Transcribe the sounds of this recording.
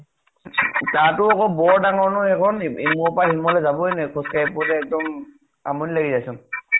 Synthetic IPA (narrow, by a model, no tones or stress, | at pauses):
tatʊɔkɔbɔɹdaŋɔɹnɔɛkʰɔnimɔpaɦimɔlɛzabɔjnɛkʰɔskajpɔtɛːk̚dɔm | a̰mɔnilaɡizajsɔn